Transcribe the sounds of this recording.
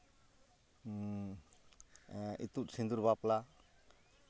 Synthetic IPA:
ḭt̪ut̪̚sind̪uɾbapla

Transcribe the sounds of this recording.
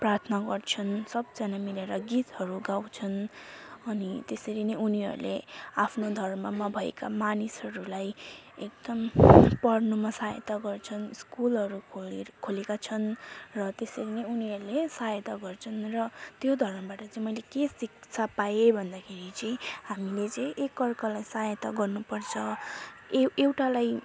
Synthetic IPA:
prart̪ʰnʌɡʌrt͡sʰʌnsʌb̚d͡zanamileɾʌɡit̪hʌɾuɡawt͡sʰʌnʌnit̪esʌɾinʌjuniɦʌ̰ɾṵlḛapʰnod̪ʱʌrmʌmabʱʌḛkamanisɦʌɾulaj | ek̚d̪̥ʌmpʌɽnumʌsajḛt̪aɡʌrt͡sʰʌnskulɦʌɾukʰolekat͡sʰʌnrʌt̪esʌɾinʌjuniɦʌɾulesajt̪aɡʌrt͡sʰʌnrʌt̪jod̪ʱʌrmʌbaʈʌt͡sʌĩmʌjlekesik̚t͡sʰapajebʱʌnd̪akʰeɾit͡sʌj̃hamilet͡sʌjʔekːʌrkʌlajsajʌt̪aɡʌrnupʌrt͡sʰʌeewʈalaj

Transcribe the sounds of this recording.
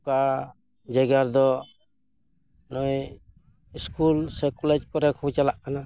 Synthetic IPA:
ka | d͡ʒaɡaɾd̪ɔ | nɔj | iskulsɛkulɛt͡ʃ̚kɔɾɛkʰut͡ʃalaʔkana

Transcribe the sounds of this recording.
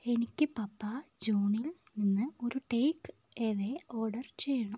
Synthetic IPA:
e̞nikʲːɨpɐpːɐd͡ʑuːɳilninːɨo̞ɾuʈejk | eːðeo̞ːɽɐrt͡ɕejːɐɳu

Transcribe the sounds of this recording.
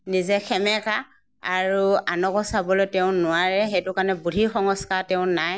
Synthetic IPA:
nizɛxʰɛmɛka | aɹuanɔkɔsabɔlojtɛʊ̃nʊaɹɛxejtʊkanɛbudʱixɔŋɔskaɹtɛʊ̃naj

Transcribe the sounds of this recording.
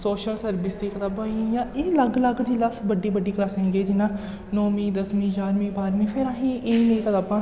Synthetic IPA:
soːʃəlsəɾbɪsd̪iːkət̪aːbãːĩjãːʔeːləɡləɡd͡ʒilasbəɖːiːbəɖːiːklaːsɦɛ̃ːɡeːd͡ʒɪnãː | nɔːmĩːd̪əsmĩːt͡ʃaːɾmĩːbaːɾmĩːpʰɪɾaːɦĩːʔeːnẽĩːkət̪aːbãː

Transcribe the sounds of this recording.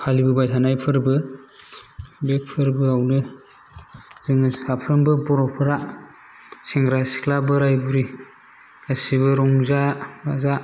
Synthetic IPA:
kʰalibɯbajtʰanajpʰɯɾbɯ | bepʰɯɾbɯawnɯ | zɯŋɯapʰɾɯmbɯbɔɾɔpʰɯɾa | seŋɡɾasi̥kʰlabɯɾajbuɾi | kʰasiβɯɾɔŋzaba̰za

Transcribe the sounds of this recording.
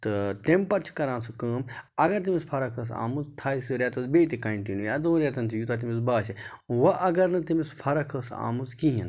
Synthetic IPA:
t̪ɨt̪empɐt͡ʃʰi̥kɐɾãːsɨkəːmɐɡɐɾt̪̬imispʰɐɾɐkʰɐs̬a̰ːmuzt̪ʰaːisɨɾʲet̪ɐzbeːt̪̬ekɐɳʈinujɐd̪õːɾʲeːt̪ɐnt̪ʰijut̪at̪imisbaːse | ʋɐʔɐɡɐɾnɨt̪imispʰɐɾɐkʰɐsa̰ːmuzkĩɦĩn

